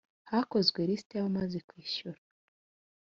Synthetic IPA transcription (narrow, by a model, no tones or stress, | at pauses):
hako̞zɡweɾistejahomazikwiːʃuɾa